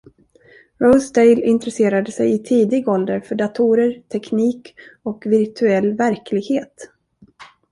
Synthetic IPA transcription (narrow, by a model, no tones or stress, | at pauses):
ɾɔsd̪ejlɪnt̪ɾɛseːɾad̪əsɛjɪt̪ʰiːd̪ɪɡɔld̪əɾfœɖat̪ʰuɾəɾt̪ʰɛkniːkɔkvɪɾt̪ʰɵɛlːvæɾklɪɡheːt̪